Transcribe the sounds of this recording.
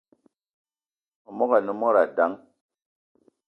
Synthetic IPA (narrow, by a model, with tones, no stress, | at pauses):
o˨mɔ˦ka˨nu˦mɔ˦ɾa˨da˨˦ŋ